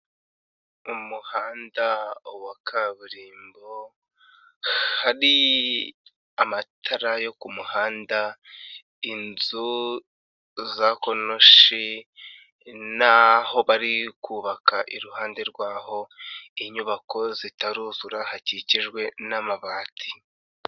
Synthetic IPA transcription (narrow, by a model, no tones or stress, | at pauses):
umuhaːndawakʰaβuɾiːmbo̞ | haɾi | amatʰaɾajo̞kumuhaːnda | inzu | zako̞no̞ʃi | naho̞βaɾikuːβakaʔiɾuhaːnde̞ɾɡwaːho̞iɲuβako̞zitaɾuːzuɾahaciciʒɡwe̞namaβaːtʰi̥